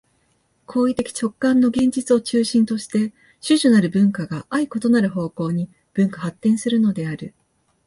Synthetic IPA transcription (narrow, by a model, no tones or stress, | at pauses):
kʰo̞ːit̪e̞kʲi̥t͡ɕo̞kːãnːo̞ɡẽ̞ɲ̟d͡ʑit͡sɨo̞t͡ɕɨːɕĩnt̪o̞ɕi̥t̪e̞ | ɕɨʑonaɾɯ̟bɯ̟̃ŋkaɡaʔaiko̞t̪o̞naɾɯ̟ɦo̞ːko̞ːɲ̟i | b̥ɯ̟̃ŋkahat̪ːẽ̞ɰ̃sɨɾɯ̟no̞d̪e̞aɾɯ̟